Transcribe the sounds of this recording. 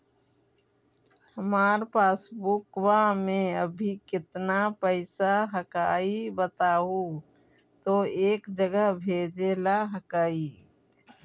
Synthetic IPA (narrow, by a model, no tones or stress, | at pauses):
həmaːɾpaːsbukwamẽəbʱikɪt̪napəɪsaɦəkaːibət̪aːɦu | t̪oeːkd͡ʒəɡəɦbʱeːd͡ʒelaɦəkaːi